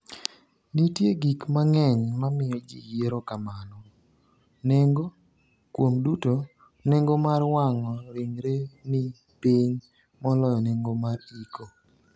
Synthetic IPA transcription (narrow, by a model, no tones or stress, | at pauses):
nitjeɡikmaŋɛɲmamɪjɔd͡ʒḭjeɾokamanɔ | neŋɡo | kwomduto | neŋɡomarwaŋɔɾɪŋɾenɪ | piɲ | mɔlɔjɔneŋɡomaɾiko